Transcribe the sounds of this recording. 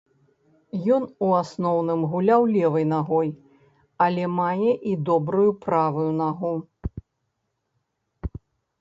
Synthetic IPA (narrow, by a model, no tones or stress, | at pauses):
jɔnuasnɔwnɨmɣulʲawlʲɛvɨjnaɣɔj | ɐlʲɛmajɛʔid̪ɔbɾujupɾavujunaɣu